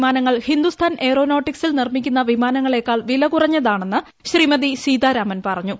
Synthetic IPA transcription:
maːnɐŋːɐɭhind̪ust̪ʰaːne̞ːro̞ːno̞ːʈːiksilnirmikʲːunːɐʋimaːnɐŋːɐɭe̞ːkːaːɭʋilɐkurɐɲːɐðaːɳe̞nːɨ | ɕrimɐðisiːd̪aːɾaːmɐnpɐrɐɲːu

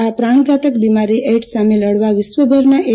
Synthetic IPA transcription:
apɾaɳ̃ɡat̪əkbimaɾiʔeʈsameləɽʋaʋɪʃʋəb̪ʱəɾnaʔe

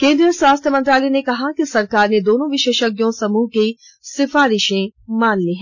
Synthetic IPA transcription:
kẽːnd̪ɾiəswaːst̪ʰjəmɐ̃nt̪ɾaːlɛnekɐɦakisɐɾkaːɾned̪oːnõʋɪʃeːʃəkjõsɐmuːɦki | sɪfaːɾɪʃẽmaːnliɦɛ̃ː

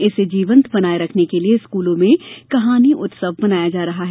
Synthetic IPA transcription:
ɪsed͡ʒiːʋə̃nt̪bɐnaːeɾɐkʰnekelieskuːlõmẽkɐɦaːniʔʊt̪səʋbɐnaːjad͡ʒaːɾɐɦaɦɛː

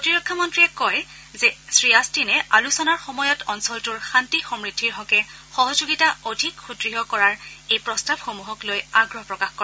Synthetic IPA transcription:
potiɹɔkʰːamɔntɹiɛkɔj | zɛsɹiastinɛalusɔnaɹxɔmɔjɔtɔnsɔltuɹxantixɔmɹidʱːiɹɦɔkɛxɔɦɔzoɡitaodʱikxutɹiɦɔkɔɹaɹejpɹɔstabxomuɦɔklojaɡɹɔɦɔpɹɔkaxkɔɹɛ

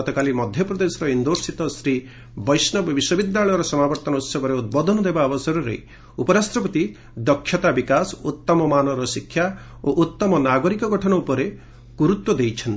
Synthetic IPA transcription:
ɔt̪ɔkalimɔd̪ʱjɔpɾɔd̪esɔɾɔind̪oɾsit̪ɔsɾi | bɔjsnɔbbiʃwɔbid̪jaɭɔjɔɾɔsɔmabɔɾt̪ɔnɔut̪sɔbɔɾeud̪̚bɔd̪ʱɔnɔd̪ebaɔbɔsɔɾɔɾḛ | upɔɾast̪ɾɔpɔt̪i | d̪ɔkʰːjɔt̪abikasɔut̪ːɔmɔmanɔɾɔsikʰːja | oʔut̪ːɔmɔnaɡɔɾikɔɡɔʈʰɔnɔupɔɾe | kuɾut̪wɔd̪ejt͡ʃʰɔnt̪i

